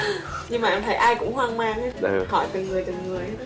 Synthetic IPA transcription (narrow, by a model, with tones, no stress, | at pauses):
ɲɨ˧ŋmaː˨˩ʔmt̪ʰə˨˦jʔaː˧jkʊ̰˧˥ŋ͡mɦwaː˧ŋmaː˧ŋ˧xɔ˧˩jt̪ɨ˨˩ŋɨ˨˩əjt͡ɕə˨˩mŋɨ˨˩əj